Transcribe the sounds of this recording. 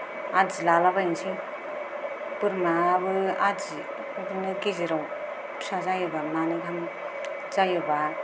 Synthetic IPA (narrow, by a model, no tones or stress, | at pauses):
azilalabainsi | bɯɾmaːbɯazi | bɯnɯɡeziɾaw | sazajɯbamanɯkʰam | zajɯba